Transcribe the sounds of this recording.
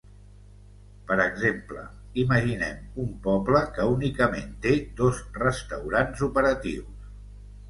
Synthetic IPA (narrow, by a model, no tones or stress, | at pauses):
pəɾəɡzemplə̰ | iməʒinɛ̰mumpɔbləkəunikəmḛnt̪ed̪ozrəst̪əwɾanzupəɾət̪ḭws